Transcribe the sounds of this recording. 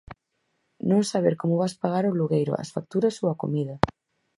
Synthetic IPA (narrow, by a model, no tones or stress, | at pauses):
nõŋsaβ̞eɾkomʊβaspaɣaɾoluɣejɾʊ̰ʔɐ̰sfak̚t̪uɾɐsowako̰miðɐ